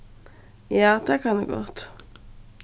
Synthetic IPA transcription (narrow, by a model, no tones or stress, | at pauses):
jɑːd̪̥ɛkʰɑnɛ̰ɡɔ̰t̪